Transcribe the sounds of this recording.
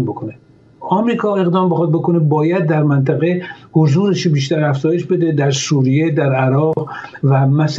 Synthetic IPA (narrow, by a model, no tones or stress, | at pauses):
mbokʰone | ɒmɾiːkʰɒːe̞ɣd̪ɒːmbexɒd̪̚bo̞konebɒːjæd̪̚ːæɾmænt̪ʰæɣehozuːɾeʃbiːʃ̬t̪æɾæfz̥ɒːjeʃbe̞d̪ed̪æɾsuːɾijed̪æɾæɾɒːʁʁvæmæs